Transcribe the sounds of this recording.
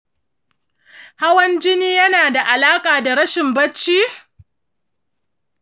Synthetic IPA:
ha˦wɐ˦nd͡ʒɪ˦niː˦jɐ˦naː˨da˨ʔa˨laː˦kʼaː˨da˨ɽɐ˦ʃɪ˨mbɐ˦t͡ʃːiː˦

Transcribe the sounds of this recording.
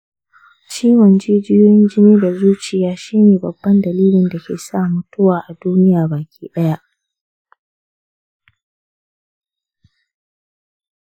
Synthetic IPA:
t͡ʃiː˦wɐ˨nd͡ʒeː˦d͡ʒɪ˦joː˦jɪ˦nd͡ʒɪ˦niː˦da˨zuː˦t͡ʃɪ˨jaː˦ʃiː˦neː˨bɐ˨bːɐ˦ndɐ˨liː˦lɪ˨nda˨kʲʰḛː˨saː˦˨mʊ˦tʊ˦waː˨ʔa˨duː˦nɪ˦jaː˨baː˨kʲiː˦ɗɐ˦ja˦ʔ

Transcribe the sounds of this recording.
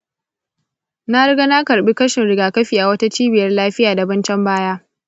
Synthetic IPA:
na˦ɽɾɪ˦ɡa˦na˦kɐ˨ɾɓi˦kɐ˦ʃɪ˨nɽɪ˦ɡaː˨kɐ˦ɸiː˨ʔa˨wɐ˦ta˦t͡ʃiː˦bɪ˨jɐ˦rlaː˦ɸɪ˦jaː˨da˨bɐ˦nt͡ʃɛ˦mbaː˦jaː˦

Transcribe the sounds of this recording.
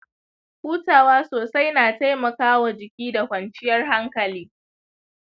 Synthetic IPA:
ɸuː˦taː˨waː˦soː˨sa˦jnaː˨ta˦jmɐ˨kaː˦wa˨d͡ʒɪ˨kʲiː˦da˨kʷɐ˨nt͡ʃɪ˦jɐ˦rɦa˦ŋkɐ˨liː˦

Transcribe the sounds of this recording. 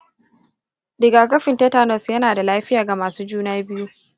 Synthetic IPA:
dɪ˨ɡaː˨kɐ˦ɸɪ˨ntɐ˦taː˦nɔ˦˨sjɐ˦naː˨da˨laː˦ɸɪ˦jaː˨ɡa˨maː˨suː˦d͡ʒuː˦naː˦bɪ˦ju˦

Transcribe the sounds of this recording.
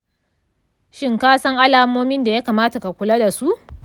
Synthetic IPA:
ʃɪ˦ŋkaː˦sɐ˦ŋʔa˦laː˨moː˦mɪ˦nda˨ja˦kaː˨maː˦ta˨ka˨kʷʊ˨la˦da˨su˦ʔ

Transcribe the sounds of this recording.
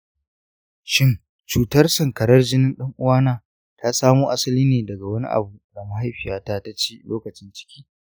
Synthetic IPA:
ʃɪ˦n | t͡ʃuː˨tɐ˦rsɐ˨ŋkɐ˨ɾɐ˦rd͡ʒɪ˦nɪ˦nɗɐ˦ŋʔʊ˦waː˦naː˦ | tʰa˦saː˦moː˦ʔa˦sɐ˦liː˦neː˨dɐ˨ɡa˨wɐ˦nḭ˦ʔa̰˨buː˨da˨mɐ˨ɦa˦jɸɪ˨jaː˨taː˦ta˦t͡ʃiː˦loː˦kɐ˨t͡ʃɪ˦nt͡ʃɪ̥˦kʲiː˦

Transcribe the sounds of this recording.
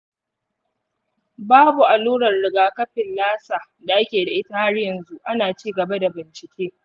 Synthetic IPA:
baː˦bu˨ʔa˨luː˦ɽɐ˨rɽɪ˨ɡaː˨kɐ˦ɸɪ˨nlaː˦saː˨ | da˨ʔa˦kʲeː˨da˨ʔɪ˦ta˦ha˦ɽjɐ˨nzu˦ʔa˦naː˨t͡ʃiː˦ɡɐ˨ba˦da˨bɪ˨nt͡ʃɪ˨kʲeː˦

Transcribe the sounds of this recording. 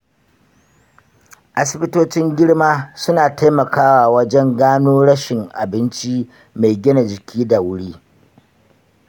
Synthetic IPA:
ʔa˨sɪ˦bɪ˦toː˦t͡ʃɪ˦ŋɡʲɪ˦ɽmaː˦sʊ˦naː˨ta˦jmɐ˨kaː˦waː˨wɐ˦d͡ʒɛ˦ŋɡaː˦noː˦ɽɐ˦ʃɪ˨ŋʔa̰˨bɪ˦nt͡ʃi˦ | ma˨jɡʲɪ˦na˨d͡ʒɪ˨kʲiː˦da˨wʊ˦ɽiː˦

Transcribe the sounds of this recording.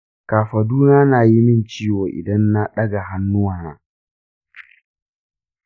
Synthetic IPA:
kaː˨ɸa˨duː˦naː˦naː˨ji˦mɪ˦˨nt͡ʃiː˦woː˨ʔɪ̰˨dɐ˦nːa˦ɗɐ˦ɡa˨ɦa˦nːʊ˦waː˨naː˦

